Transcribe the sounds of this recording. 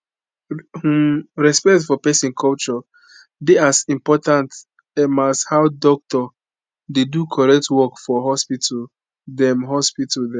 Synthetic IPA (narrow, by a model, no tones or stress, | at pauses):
huɹɛspɛktfɔpɛsĩnkʰɔlt͡ʃɔ | deasĩmpɔtãnt | ɛmashawdɔk̚tɔ | dedukʰɔɹɛk̚twɔkfɔɦɔspita | dɛmɦɔspitaldɛ̃